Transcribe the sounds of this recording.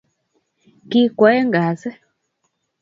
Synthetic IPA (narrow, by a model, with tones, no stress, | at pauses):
ki˦kwa˨˦ɛ˦ŋɡa˨sɛ˦